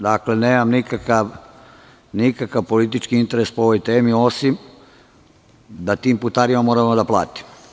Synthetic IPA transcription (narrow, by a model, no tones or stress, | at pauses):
d̪akleneːmamnikakaʋ | nikakaʋpo̞lit̪̬it͡ʃkiint̪e̞ɾe̞spoo̞ʋo̞jt̪e̞ːmio̞sim | d̪at̪iːmput̪aːɾimamo̞ːɾamod̪aplˠa̰ːt̪i̥m